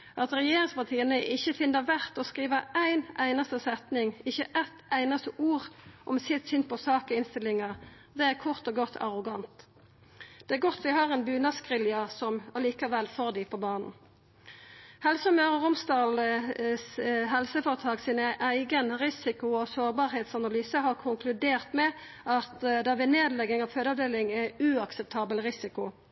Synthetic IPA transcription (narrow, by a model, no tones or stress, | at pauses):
ʔɑt̪ʁɛjeːɾɪŋspɑʁt̪ʰiːənəʔɪçːəfɪnːəʁʋæʁt̪ɔskʁiːʋəæɪnæɪnɑst̪əsɛt̪nɪŋɪçəʔɛt̪æɪnɑst̪əʔuːʁʔɔmsɪt̪sʏn̚pʰɔsɑːkɔɪnst̪ɪlːɪŋɑʁ | d̪ɛæʁkʰʊʁt̪ɔɡɔt̪ʰːɑ̰ʁʊɡɑnt̪ | d̪̥ɛæʁɡɔt̪ːʋɪhɑʁɛnbʉːnɑskʁɪljɑsɔmɑliːkɑʋɛlfoːʁd̪ɪpʰɔbɑːnn̩ | hɛlsɔmøːʁəʁʊmst̪ɑːlsɦɛlsəfɔʁət̪ʰɑːksiːnəʔæɪɡənʁɪsɪkʊosoːʁbɑːʁheːt̪sɑnɑlyːsəɦɑʁkʰʊŋklʉd̪eːʁt̪mɛ | ɑt̪d̪ɑʋɪneːd̪lɛɡɪŋɑʋføːd̪əɑʋd̪eːlɪŋæʉɑksɛp̚t̪ʰɑːbəlʁɪsɪkʊ